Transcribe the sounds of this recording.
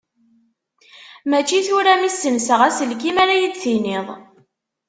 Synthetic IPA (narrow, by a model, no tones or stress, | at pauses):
mæt͡ʃːiθʊɾæmisːəmsəʁæsəlkimæɾæjid̪θinɪðˤ